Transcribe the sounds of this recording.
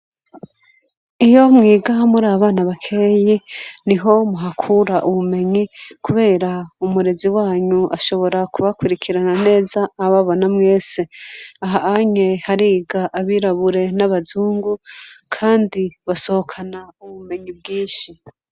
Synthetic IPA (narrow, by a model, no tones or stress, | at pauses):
ijo̞mŋiːɡamuɾaːβaβaːnaβakʰe̞jiniɦo̞muɦakʰuɾaʔuβume̞ɲikuβe̞ːɾaumuɾe̞ziwaːɲuʔa̰ʃo̞βo̞ɾakuβakwuɾikʰiɾanane̞ːzaːβaβo̞namŋe̞ːse̞aɦaaɲe̞haɾiɡaʔaβiɾaβuɾe̞naβazuːŋɡukʰaːndiβaso̞hokʰanauβume̞ɲib̚ɡiːʃi